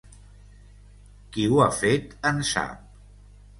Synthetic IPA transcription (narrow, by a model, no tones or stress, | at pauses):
kiuafet̪ənsa̰p̚